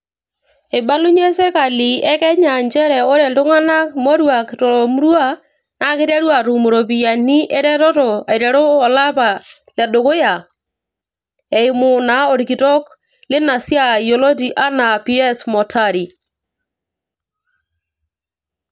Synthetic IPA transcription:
e˨ba˦lʊ˦ɲɛ˦sɛ˦ka˨li˨ɛ˦kɛ˦ɲa˨ɲt͡ʃɛ˦ɾɛ˨ɔ˦ɾɛ˨tʊ˦ŋa˦na˦kmɔ˦ɾwa˨ktɔ˨ɾɔ˨mu˦ɾwa˦ | na˨˦kɪ˦ɾa˦ɾwa˨tʊ˨mu˨ɾɔ˨p̬i˨ja˨ni˦ʔɛ˦ɾɛ˦ɾɔ˦tɔ˨a˨jɾɛ˨ɾɔː˦˨la˦pa˨ | lɛ˨ɗo˨kʊ˦ja˨ | e˨ɪ˨mʊ˨na˦ɔ˨ɾki˨tɔ˦k | lɪ˦na˨sja˦˨jo˨lɔ˦t̬i˨ʔa˦na˨pi˦ɛ˦smɔ˨tʰa˦˨ɾi˨

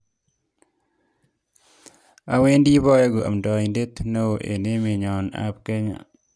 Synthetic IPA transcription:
a˨we˦ndi˦bɔ˦jɔ˦ɡo˨ʔa̰˨mdɔ˨inde˦t̪no˦o˨ʔḛ˨ne˦mɪ˨ɲɔ˨na̰˦p̚ke˦ɲa̰˨

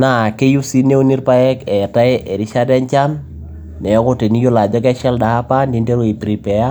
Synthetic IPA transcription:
na˨ke˦ju˦si˦ne˦u˦ni˦ɾpa˦jɛ˦kɛ˨ta˦ʔɛ˨ɾi˦ʃa˦da˦ɲt͡ʃa˦nː | ɛ˨ɔ˦ko˦te˨ni˦jo˦la˨d͡ʒɔ˦kɛ˦ʃa˦lda˨a˦pa˦ndi˦nde˦ɾo˦i˨pɾi˨pɛ˨ja˦

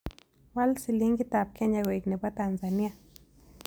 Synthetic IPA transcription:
wa˦lsi˧li˦ŋɡi˦t̪a˨p̚kʰe˦ɲa˧wʷe˨kne˨ba˦t̪a˧nza˨nja˧

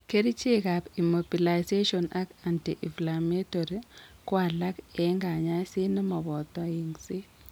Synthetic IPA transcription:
ke˦ɾi˦t͡ʃe˦ka˨pi˨mo˨bi˨la˨jse˦ʃɔ˨na˦ka˨ntḭ˨ʔi˨fla˨me˦to˨ɾi˦kwa˨la˦kɛ˦ŋɡa˨ɲa˦si˦nɪ˦mɔ˨bɔ˨tɔ˦i˨ŋsi˦

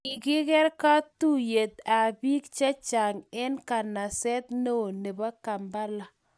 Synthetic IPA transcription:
ɪ˨kɪ˦kɛ˦ɾka˦tu˦je˨t̪a˨bi˦kt͡ʃa˦t͡ʃa˨ŋɛ˦nka˨na˨sɛ˦t̪no˦˨ne˨ba˦ka˨mba˦la˨

